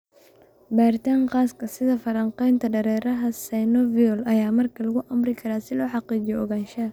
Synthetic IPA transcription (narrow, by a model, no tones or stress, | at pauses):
baːrt̪ʰaːɴqɑːskʰɐsɪðɐfɐɾɐɴqɛjnt̪ʰɐɖɐɾɛːɾɐɦɐsɛjnɔviɔlɐjaːmɐrkʰɐlɐɣʊʔɐmrɪkʰɐɾaːsɪlɔːħɑqiːt͡ʃɪjɔʔɔɣaːnʃɐ